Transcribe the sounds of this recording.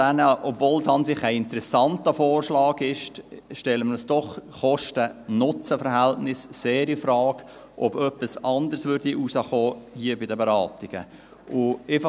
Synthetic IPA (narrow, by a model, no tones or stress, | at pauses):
ænəʔɔbvoːlsɑnsɪχæɪɪnt̪əɾɛsɑntəfoːrʃlɑːɡɪʃtʃtɛlːəmədəsd̥ɔχχɔʃtənʊt͡səfəɾɦæltnɪsːeːɾifɾɑːk | ʔɔb̥œpːəsɑnd̪əɾsʋʏɾdiʔusəχoːhiəbɪdəbɛɾɑːt̪iɡ̥ə̰ | ʔʊef